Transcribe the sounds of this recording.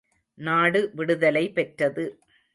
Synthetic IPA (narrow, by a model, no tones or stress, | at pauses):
naːɽɯʋɪɽɯðɐlɐɪpɛʈrɐðɯ